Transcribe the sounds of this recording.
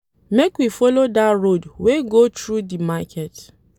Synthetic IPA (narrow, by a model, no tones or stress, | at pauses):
mekwifɔlodatɹodweɡotɹudimakʰɛt